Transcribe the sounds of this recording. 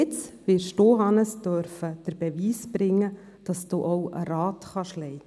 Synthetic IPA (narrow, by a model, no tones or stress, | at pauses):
ɪt͡sʋɪʃtoːɦɑnəsd̥œɾfəd̥əɾb̥ɛviːsb̥ɾɪŋːə | d̥ɑsd̥oːʔɔʊə̰ɾɑːtχɑʃlɛɪt